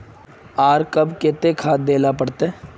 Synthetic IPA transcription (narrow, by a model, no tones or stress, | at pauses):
aːɾkɐbket̪ekʰaːt̪̚d̪eːlapəɽt̪e